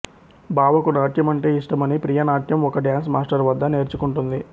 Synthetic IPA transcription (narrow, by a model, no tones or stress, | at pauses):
baːʋɐkunaːʈʰjɐmɐɳʈe̞ːiʂʈɐmɐnipɾijɐnaːʈʰjɐmɔkɐɖjaːns̬maːsʈɐɾʋɐd̪ːɐne̞ːɾt͡ʃukuɳʈund̪i